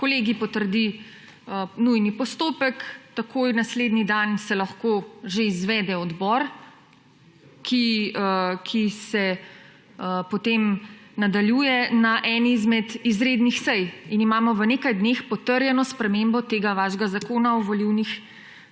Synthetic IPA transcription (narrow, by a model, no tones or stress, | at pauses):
koleːɡipɔt̪əɾd̪i | ənujnipɔst̪oːpəkt̪akojnasled̪nid̪ansɛlɐxkoʒeizʋɛːd̪ɛɔd̪bɔɾ | kʰiəkʰisɛ | əpɔt̪emnad̪aljuːjɛnaʔɛnizmɛd̪izɾed̪nixsɛjinimaːmɔʋənekajd̪neːxpɔt̪əɾjɛnɔspɾɛmembɔt̪eːɡaʋaʃɡazakoːnaɔʋoliwnix